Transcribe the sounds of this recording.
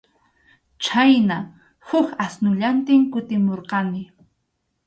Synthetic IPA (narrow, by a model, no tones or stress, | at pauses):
t͡ʃajna | hʊkasnʊʎant̪ɪŋkʊt̪ɪmoɾqɑnɪ